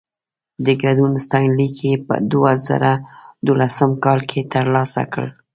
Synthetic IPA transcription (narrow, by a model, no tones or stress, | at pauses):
d̪əɡaɖunst̪ɑjnlikʰepə̰d̪oaza̰ɾad̪olasəmkɑlkʰet̪əɾlɑsa̰kə̰l